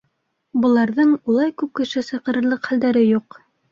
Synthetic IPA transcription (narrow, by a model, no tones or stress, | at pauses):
bɤ̆lˠɑɾðɤɴulˠɑjkʉp̚kɘ̆ʃɘsɤ̆qɤ̆ɾɤ̆ɾlˠɤqχæld̪æɾɘjuq